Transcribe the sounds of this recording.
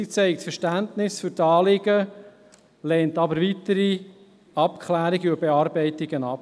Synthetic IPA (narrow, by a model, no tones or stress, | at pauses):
it͡sɛɪk̚tfəʃtæntnɪsføɾtɑːlɪɡə | lɛːntɑbəɾvitəɾi | ɑpkʰχlæːɾiɡəubeɑɾbɛɪtɪɡənɑp